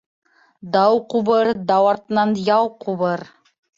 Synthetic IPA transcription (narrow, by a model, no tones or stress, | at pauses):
d̪ɑwquβɤɾd̪ɑwɑɾt̪ɤnɑnjɑwquβɤɾ